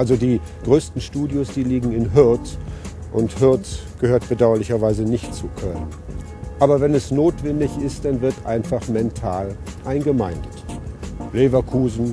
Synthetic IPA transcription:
ʔalzodiː | ɡ̥ʁøːstn̩ʃtuːdjosd̥iːliːɡŋ̩ɪnɦɪɐt | ʔʊnthɪɐt | ɡ̥əhøːɐtb̥ədaʊɐlɪçɐvaɪzənɪçtt͡sukʰœlən | ʔaːbɐvɛnɛsnoːtv̥ɛndɪçɪst̚d̥anvɪɐtʔa̰ɪnfaχmɛntʰaːlʔaɪnɡəmaɪndət | leːvɐkʰuːzn̩

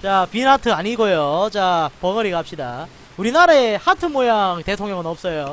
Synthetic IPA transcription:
t͡ɕapinatʰɯaɲiɡojot͡ɕapʌŋʌɾiɡap̚ɕ͈ida | uɾinaɾehatʰɯmojaŋte̞tʰoŋɲjʌŋɯnʌp̚s͈ʌjo

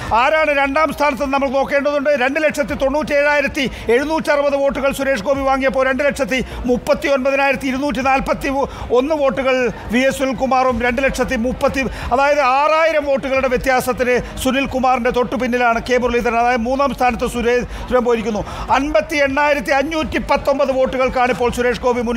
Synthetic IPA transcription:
aːɾaːɳɨɾe̞ɳɖaːmst̪ʰaːnɐt̪ːɐðnɐmːɐɭkɨno̞ːkːe̞ːɳɖɐðuɳɖɨɾe̞ɳɖɨle̞kʂɐt̪ːit̪o̞ɳːuːtːie̞ːɻaːjiɾɐt̪ːi | e̞ɻunuːtːiɐrɨbɐðɨʋoːʈːuɣɐɭsuɾe̞ːʂɡo̞ːbiʋaːŋːijɐpːoːɾe̞ɳɖɨle̞kʂɐt̪ːi | mupːɐt̪ːionbɐðɐnaːjiɾɐt̪ːiɾunuːt̬ːinaːlpɐt̪ːi | o̞nːɨʋo̞ːʈːuɣɐɭʋiesunilkumaːrumɾe̞ɳɖɨle̞kʂɐt̪ːimupːɐt̪ːiɐðaːjɐðɨaːraːjiɾɐmʋo̞ːʈːuɣɐɭuɽe̞ʋjet̪jaːsɐt̪ːinɨsunilkumaːrinde̞t̪o̞ʈːupinːilaːɳɨke̞ːburliðɐɾɐnɐðaːjɐðɨmuːnːaːmst̪ʰaːnɐt̪ːɨsuɾe | suɾɐmboːiɾikʲːunːuɐnbɐt̪ːie̞ɳːaːjiɾɐt̪ːiɐɲːuːtːipɐt̪ːo̞mbɐðɨʋo̞ːʈːuɣɐɭkaːɳipːo̞ːɭsuɾe̞ːʂɡo̞ːbimun

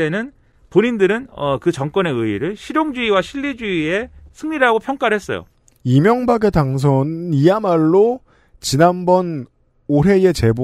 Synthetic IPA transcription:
enɯn | poɲindɯɾɯnʌkɯt͡ɕʌŋk͈wʌne̞ɯiɾɯɭɕʰiɾjoŋd͡ʑiiwaɕʰiʎːid͡ʑiie̞sʰɯŋɲiɾaɡopʰjʌŋk͈aɾɦe̞s͈ʌ̰jo̰ | imjʌŋbaɡe̞taŋs̬ʰʌnɯniamaɭːo | t͡ɕinanbʌn | oɦe̞e̞t͡ɕe̞bo

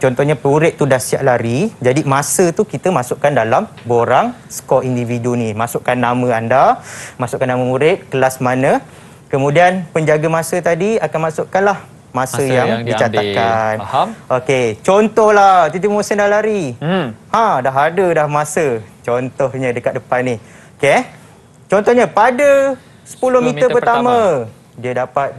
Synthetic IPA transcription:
t͡ʃɔnt̪ɔhɲapɾuɾɪʔ̚t̪udahsia̰ʔlaɾid͡ʒadimãsət̪ukit̪əmãsʊʔkandalam | boɾaŋ | sə̥kɔindividunimasʊʔkanːamə̃andamasʊʔkanːaməmuɾɪt̪̚kəlasmanə̃ | kəmũdianpəɲd͡ʒaɡamãsət̪adiakanmasʊʔkanlah | mãsəjjaŋdit͡ʃat̪akanoket͡ʃɔnt̪ɔhlaht̪it̪imosɛndalaɾi | hãdaɦadədahmasət͡ʃɔnt̪ɔhɲə̃dəkat̪̚dəpanːih | oke | t͡ʃɔnt̪ɔhɲapadə | sə̥pulʊhmĩəpərt̪amã | diadapat̪̚

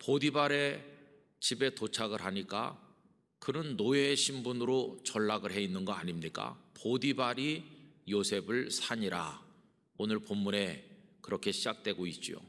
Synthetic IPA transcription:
podibaɾe̞ | t͡ɕibe̞tot͡ɕʰaɡɯɾɦaɲik͈a̰ | kɯnɯnːoeɕʰimbunɯɾot͡ɕʌɭːaɡɯɭɦe̞inːɯnɡʌaɲimɲik͈a̰podibaɾijosʰe̞bɯɭsʰaɲiɾa̰ | onɯɭpomːune̞kɯɾʌkʰe̞ɕʰid͡ʑak̚t͈we̞ɡoit̚t͡ɕ͈io̰

